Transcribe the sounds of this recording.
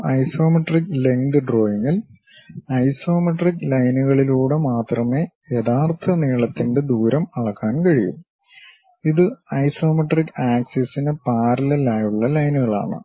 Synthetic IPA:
ɐjso̞ːmɐʈrikːle̞ŋɡɨɖro̞ːjiŋːil | ɐjso̞ːmɐʈrikːlɐjnuɣɐɭiluːɽemaːt̪rɐmeːjeðaːrt̪ʰːɐniːɭɐt̪ːinɖe̞d̪uːɾɐmɐɭɐkːaːnkɐɻijṵm | iðɨɐjso̞ːmɐʈrikːaːksesinepaːɾɐlɐlaːjuɭːɐlɐjnuɣɐɭa̰ːɳɨ̰

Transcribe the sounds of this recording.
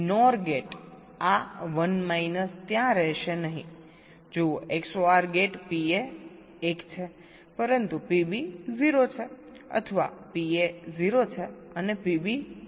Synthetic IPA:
nɔɾɡeʈ | aʋənmajnəst̪jãɾəɦʃenəɦḭ̃ | d͡ʒoeksoaɾɡeʈpieː | kt͡ʃʰe | pəɾənt̪upibiziɾot͡ʃʰe | ə̰t̪ʰəʋa̰pieziɾot͡ʃʰeənepibi

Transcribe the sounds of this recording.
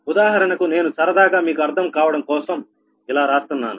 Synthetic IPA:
ud̪aːɦɐɾɐnɐkune̞ːnusɐɾɐd̪aːɡaːmiːkuɐɾt̪ʰɐmkaːʋɐɽɐmkɔːsɐm | ilaːɾaːst̪unːa̰ːnu

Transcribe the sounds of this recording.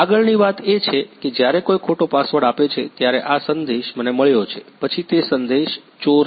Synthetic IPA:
aɡəɭniʋat̪et͡ʃʰeked͡ʒjaɾekojkʰoʈopasʋəɽapet͡ʃʰet̪jaɾeʔasənd̪eʃməneməɭjot͡ʃʰepət͡ʃʰit̪esənd̪eʃ | t͡ʃoɾ

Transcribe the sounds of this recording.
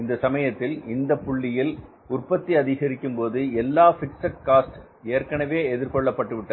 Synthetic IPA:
ɪnd̪ɐsɐmɐjɐt̪ːɪlɪnd̪ɐpːʊɭːɪjɪl | ʊrpɐt̪ːiɐðɪɣɐɾɪkːɯmpoːðɯɛlːaːfɪksɐʈ̚kaːsʈ | eːɾkɐɳɐʋeːɛðɪɾkɔɭːɐpːɐʈːɯʋɪʈːɐ

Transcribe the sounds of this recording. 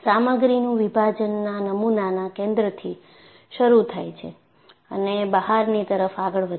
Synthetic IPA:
saməɡɾinũʋibʱad͡ʒənːanəmunanakẽnd̪ɾət̪ʰi | ʃəɾut̪ʰajt͡ʃʰḛ | ə̰nebəɦaɾnit̪əɾəfaɡəɭʋə

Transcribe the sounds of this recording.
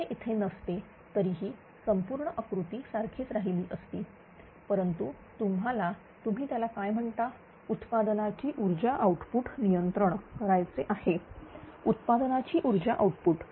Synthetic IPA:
eʔit̪ʰenəst̪e | t̪əɾiːɦiː | səmpuːɾɳəʔəkɾut̪iːsaɾkʰiːt͡sɾaɦiliːʔəst̪iː | pəɾənt̪u | t̪umɦala | t̪um̤iːt̪jalakajm̤əɳt̪a | ut̪pad̪nat͡ɕiːʔuɾd͡ʑaʔauʈpuʈnijənt̪ɾəɳkəɾajt͡seʔahe | ut̪pad̪ənat͡ɕiːʔuɾd͡ʑaʔawʈpuːʈ

